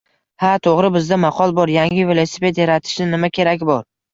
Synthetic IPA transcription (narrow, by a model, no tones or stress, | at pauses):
hat̪ʰoʁɾɪbɪzd̪amɑqʰɒlˠbɒɾjaŋʲɪvelˠosepe̞t̪jaɾat̪ʰɪ̥ʃnɪnɪmakʲʰe̞ɾakʲbɒɾ